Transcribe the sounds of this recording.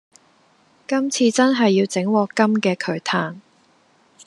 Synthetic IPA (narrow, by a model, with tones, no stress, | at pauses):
kɐ˥mt͡sʰiː˧t͡sɐ˥nɦɐ˨jːiː˧wt͡sɪ˨˥ŋwɔː˨˧kɐ˥mkɛː˧kʰɵ˨˧ɥt̪ʰaː˧n